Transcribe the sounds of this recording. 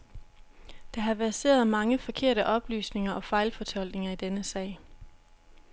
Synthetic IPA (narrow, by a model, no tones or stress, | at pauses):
d̥ɑ̈ɦɑ̈ʋæɐse̝̰ːɐð̞̩ˠmɑ̈ŋəfɒ̽kʰe̝ɐ̰ɾəʔɒ̽b̥ly̰ːsne̝ŋɐʔɒ̽fɑ̈ɪlfɒ̽t͡sʰɒ̽l̰ɡ̥ne̝ŋɐid̥enəsɛ̰ː